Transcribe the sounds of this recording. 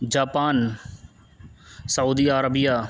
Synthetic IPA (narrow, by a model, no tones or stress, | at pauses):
d͡ʒaːpaːn | səuːd̪iːaːɾəbijaː